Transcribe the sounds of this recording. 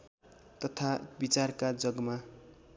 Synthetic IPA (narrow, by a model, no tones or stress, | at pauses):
t̪ʌt̪ʰabit͡sarkad͡zʌɡma